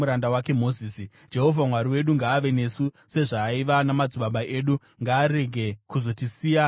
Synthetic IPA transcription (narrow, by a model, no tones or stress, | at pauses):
uɾandawake̞mo̞ziːsi | d͡ʒe̞ɦo̞vʱamwaɾiwe̞ɗuŋɡaːʋe̞ne̞su | se̞ʐaːiʋanamad͡zuɓaɓaʔe̞ːɗu | ŋɡaːɾe̞ɡʱe̞kuzo̞tisiːja